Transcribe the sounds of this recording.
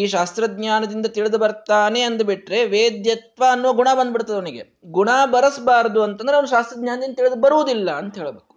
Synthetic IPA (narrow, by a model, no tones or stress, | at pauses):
iːʃaːst̪ɾɐd̪ɲaːnɐd̪ind̪ɐt̪iɭid̪ubɐɾt̪aːne̞ɐnd̪ubiʈɾe̞ʋeːd̪jɐt̪ʋaːnːuʋɐɡuɳabɐnd̪biɽt̪ːaːd̪eʋoniɡe̞ | ɡuɳaːbɐɾɐsɐbaːɾɐd̪uɐnt̪ɐnd̪ɾɐmːɐʃaːst̪ɾɐd̪̚ɲaːnɐd̪ind̪ɐt̪iɭid̪ubɐɾuʋd̪ilːɐːnt̪ɐɦe̞ːɭɐbeːku̥